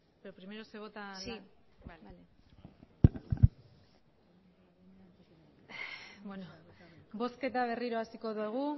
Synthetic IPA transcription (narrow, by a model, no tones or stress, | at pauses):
beopɾime̞ɾose̞β̞o̞t̪a | bwenobo̞ske̞t̪aβ̞e̞riɾo̞asiko̞ðueɣ̞u